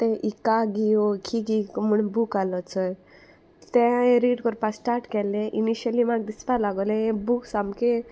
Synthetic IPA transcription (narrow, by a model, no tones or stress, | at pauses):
t̪ɛ̃ʔikaɡiokʰiɡikm̤uɳbukalɔt͡səj | t̪ɛ̃eɾiɖkɔɾpasʈaɾʈkɛleʔiniɕəlimaɡ̚d̪ispalaɡɔleẽbuksamke